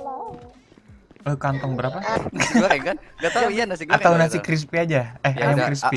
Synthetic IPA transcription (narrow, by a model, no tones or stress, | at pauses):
əkant̪ɔŋbəɾapaakanɡat̪aanasat̪aunasikɾis̬piad͡ʒaɛhaɲakɾis̬pi